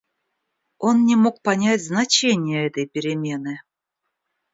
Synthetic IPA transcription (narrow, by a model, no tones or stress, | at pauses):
onnʲɪmok̚pɐnʲatʲznat͡ɕenʲɪjəɛt̪əjpʲɪɾʲɪmʲenɨ